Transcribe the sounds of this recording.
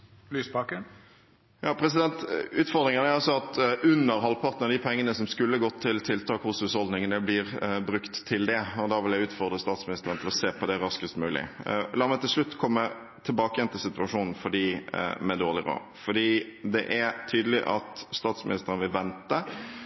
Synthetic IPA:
lyːsbɑːkən | jɑːpʰɾɛs̬ɪd̪ɛnt̪ʉːt̪fɔʁd̪ɾɪŋənəæɾɑlsɔɑt̪ʉnːəɾɦɑlpʰɑʁt̪n̩ɑd̪ipʰɛŋːənəsɔmskʉlːəɡɔt̪ʰːɪlt̪ʰɪlt̪ʰɑːkhʊsʉːshɔld̪nɪŋənəblɪɾbɾʉkt̪ʰːɪld̪ɛɔd̪ɑːʋɪljæɪʉːt̪fɔʁd̪ʁəst̪ɑːt̪smɪnɪst̪əɾənt̪ʰɪlɔseːpʰɔd̪ɛɾɑskəst̪mʉːlɪ̰lɑːɾmæɪt̪ʰɪlʂɭʉt̪ːkʰɔmːə | t̪ʰɪlbɑːkəjɛnt̪ɪsɪt̪ʉɑʂuːnn̩fɔɖiːmɛd̪oːʁlɪɾo̰ː | fɔɖiːd̪ɛʔæɾt̪ʰyːd̪əlɪʔɑt̪st̪ɑːt̪smɪ̰nɪst̪əɾənəʋɪlʋɛnt̪ə

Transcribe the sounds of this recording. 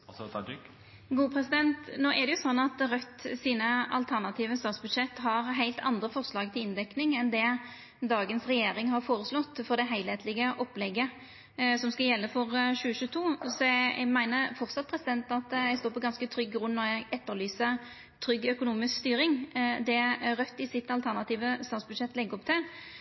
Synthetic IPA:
ɡuːpʰɾɛsɪd̪ɛnt̪noːʔɛd̪ɛjʊsɔnːɑt̪ʁœt̪ːsiːnəɑ̰lt̪ʰæʁnɑt̪ʰiːʋəst̪ɑːt̪sbʉd̪ʂɛt̪ːɦɑɾɦæɪlt̪ʰɑ̰nd̪ɾəfɔʁslɑːɡt̪ʰɪlɪnd̪ɛknɪŋɛnd̪ɛ | d̪ɑːɡənsʁɛjeːɾɪŋɦɑɾfoːɾəslɔt̪ːfɔɾd̪ɛɦæɪleːt̪ʰlɪɡəʔɔplɛɡːə | sɔmskɑljɛlːəfɔɾɕʉːəɕʉːt̪ʰuːsɔɛ̰ɡmæɪnəɾfɔʁt̪sɑt̪̚pʰɾɛsɪd̪ɛnt̪ɑt̪ɛɪst̪oːɾpɔɡɑnskət̪ʰɾʏɡɡɾʉnːɔʁæɪɡɛt̪ːəɾlyːsə | t̪ʰɾʏɡːœkʊnuːmɪskst̪yːɾɪŋd̪ɛæɾœt̪ːɪsɪt̪ɑlt̪ʰæʁnɑt̪iːʋəst̪ɑːt̪sbʉd̪ʂɛt̪ːlɛɡːɔp̚t̪ʰɪl

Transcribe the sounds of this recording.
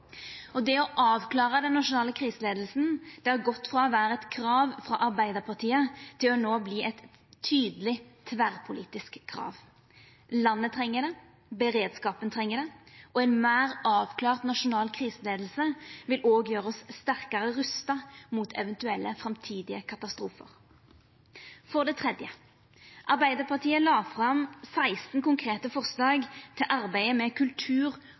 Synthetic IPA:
ɔd̪ɛɔʔɑːʋkʰlɑːʁəd̪ɛnːɑʂʊnɑːləkʰʁiːsəleːd̪l̩sn̩d̪̥ɛæɾɡɔt̪ːfʁɑɔʋæːɾəɛt̪kʰʁɑːʋfʁɑ̰ʔɑɾbæɪd̪əʁpʰɑʁt̪ʰiːət̪ʰɪlɔnoːbliːʔɛt̪ʰː | yːd̪əlɪt̪ʰʋæʁpʰʊliːt̪ɪskʰːɾɑ̰ːʋ | lɑnːət̪ʰʁɛŋːəd̪ɛ | bəɾeːd̪skɑːpənt̪ʰʁɛŋːəd̪ɛʔɔɛnmæːʁɑːʋkʰlɑːʁt̪nɑʃʊnɑːlkʰʁiːsəleːd̪l̩səʋɪlʔoːɡjøːʁɔsst̪æʁkɑʁəʁʉst̪ɑmuːt̪ʰɛ̰ʋɛnt̪ʉɛlːʔəfʁɑmt̪ʰiːd̪ɪəkʰɑt̪ɑst̪ʁuːfə̰ʁ | fɔʁd̪ɛːt̪ʰʁɛd̪jə | ʔɑʁbæɪd̪əpʰɑʁt̪ʰiːəlɑːfʁɑmsæɪst̪n̩kʊŋkʰʁeːt̪əfɔʁslɑːɡt̪ʰɪlʔɑʁbæɪəmɛkʰʉlt̪ʰʉːʁ

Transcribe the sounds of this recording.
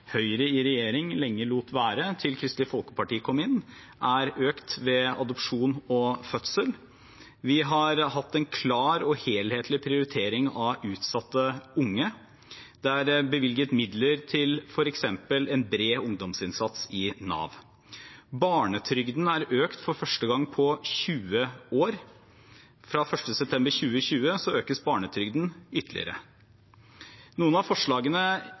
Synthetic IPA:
hœʏɾəɪɾɛjeːɾɪŋlɛŋːəluːt̪ʋæːɾət̪ʰɪlkʰɾɪst̪lɪfɔlˠkə̥pɑʈiːkʰɔmːɪnː | ʔæɾøːkt̪ʋɛɑd̪ɔpʂuːnɔfœt̪səl | ʋɪɦɑɾɦɑt̪ːɛnkʰlɑːɾɔheːlheːt̪ʰlɪpʰɾɪʊɾɪt̪ʰeːɾɪŋɑʉːt̪sɑt̪ːəʊŋːə | d̪̥ɛæɾbəʋɪlɡət̪mɪd̪ləɾt̪ʰɪlfɔɾɛksɛmpəlɛnbɾeːʊŋd̪ɔmsɪnsɑt̪sɪnɑ̰ːʋ | bɑːɳət̪ʰɾʏɡd̪n̩æɾøːkt̪fɔɾfœʂʈəɡɑŋːpʰɔçʉːəoːɾ | fɾɑːfœʂʈəsɛp̚t̪ʰɛmbəɾçʉːəçʉːəsɔøːkəsbɑːɳət̪ʰɾʏɡd̪n̩ʏt̪ʰːəlɪ̰ə̰ɾə̰ | nuːənɑʋfɔʂɭɑːɡənə

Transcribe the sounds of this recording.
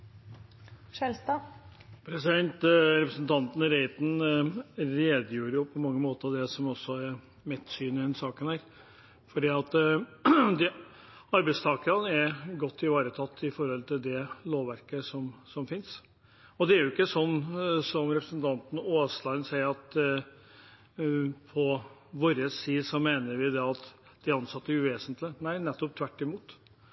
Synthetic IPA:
ʂɛlst̪ɑpʰɾɛsɪd̪ɛnt̪ɾɛpɾəsnt̪ʰɑnt̪nɾɛɪt̪n̩ | ɾeːd̪juːɾjʊpʰɔmɑŋːəmoːt̪əɑʋd̪ɛsɔmɔsːɔɛɾ | mɛt̪ːsyːnɪd̪ɛnsɑːkənhæːɾ | fɔɖiːɑt̪ | d̪ɛ | ɑɾbæɪst̪ʰɑːkəɾɑnəɛɾɡɔt̪ʰːɪʋɑːɾət̪ʰɑt̪ːɪfɔɾhɔlt̪ʰɪld̪ɛloːʋʋæɾkəsɔmsɔmfɪns | ɔd̪ɛæɾjʊɪkːəsɔnːsɔmɾɛpɾəsənt̪ʰɑnt̪n̩oːslɑənsæɪəɾɑt̪ | pʰɔ | ʋoːɾəsːiːsɔmeːnəɾʋɪd̪ɛɑt̪ | d̪̥ɪɾɑnsɑt̪ːəæɾʉʋeːsənt̪lɪnæɪnɛt̪ːɔp̚t̪ʰʋæʈːɪmuːt̪

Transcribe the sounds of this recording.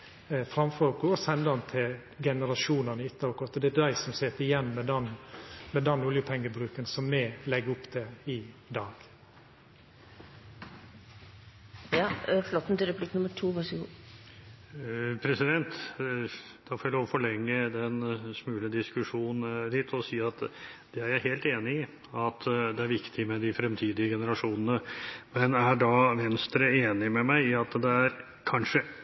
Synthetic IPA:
fɾɑmfɔɾɡɔɔsɛnd̪ɑnt̪ʰɪl | ɡɛnəɾɑʃuːnɑnəʏt̪ːəɑʋkʊɾɑt̪ːɔd̪ɛd̪æɪsɔmseːt̪ːəɪjɛnːmɛd̪ɛnmɛd̪ɛnːʊljəpʰɛŋːəbɾʉːkənsɔmːɛlɛɡʊpːd̪ɛɪd̪ɑːɡ̥ | jɑflɔt̪ːn̩t̪ɾəpʰlɪkːnʊməʈʰuːʋɑ | pʰɾɛsɪd̪ɛnt̪ | d̪̥ɑfɔɾloːʋɔfɔɭɛŋːəd̪ɛnsmʉːləd̪ɪskʉʂuːnnn̩d̪ɪt̪ʰɔsiːɑt̪d̪̥ɛæɾjæɪɦeːlt̪eːnɪɪ | ɑt̪d̪ɛæɾʋɪkt̪ʰɪmɛd̪ɪfɾɛmt̪ʰiːd̪ɪəɡɛnəɾɑʂuːnənəmɛnæɖɑʋɛnst̪ɾəeːnɪmɛmæɪɪɑt̪d̪ɛæɾ | kʰɑnʂə

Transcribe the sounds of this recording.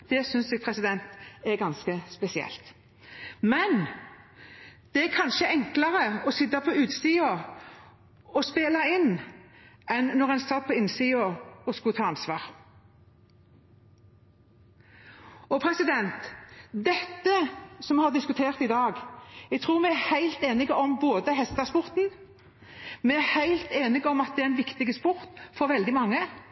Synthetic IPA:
d̪̥ɛsʏnsɛːɡ̚pʰʁɛsɪd̪ɛnt̪ɛʁɡɑnskəspɛsɪɛ̰lt̪ | mɛn | d̪̥ɛæɾkʰɑnʃəʔɛŋkləʁəɔsɪd̪ɑpʰɔʉːt̪siːɑ | ɔspeːlɑɪnː | ɛnːɔʁɛɪnst̪ɑːd̪̚pʰɔɪnsiːɔɔskʊt̪ʰɑːɑnsʋɑːʁ | ɔpʰɾɛsɪd̪ɛnt̪d̪ɛt̪ːəsɔmɛhɑʁd̪ɪskʉt̪ʰeːʁt̪ɪd̪ɑːɡɛɡ̚t̪ʰʁuːʁmɛæhæɪlt̪eːnɪɡəɔmboːd̪əɦɛst̪d̪ɑspʊʁt̪n̩ | mɛæhæɪlt̪eːnɪɡɔmɑt̪̚d̪ɛæɾɛnʋɪkt̪ɪɡəspʊʁt̪fɔʁʋɛld̪ɪmɑŋːə

